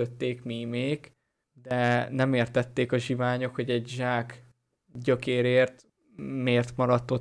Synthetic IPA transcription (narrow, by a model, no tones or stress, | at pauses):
øt̪ːeːkmimeːɡ | d̪ɛnɛmeːrt̪ɛt̪ːeːkɒʒivaːɲo̞kho̞ɟɛɟʒaːk | ɟø̞keːɾeːrt̪ | meːrt̪mɒɾɒt̪ːo